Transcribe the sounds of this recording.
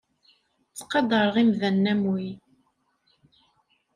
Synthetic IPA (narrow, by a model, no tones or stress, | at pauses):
t͡sːqːɑd̪ˤəɾˤʁimðænːæmwi